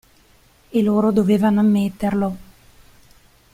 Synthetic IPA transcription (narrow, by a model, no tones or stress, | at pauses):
eloːɾod̪oveːvanoamːet̪ːerlo